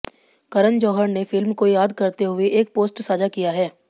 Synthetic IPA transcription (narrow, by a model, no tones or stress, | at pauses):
kɐɾənd͡ʒɔːɦəɾnefɪlmkojaːd̪kɐɾt̪eɦʊeʔeːk̚poːsʈsaːd͡ʒakijaɦɛː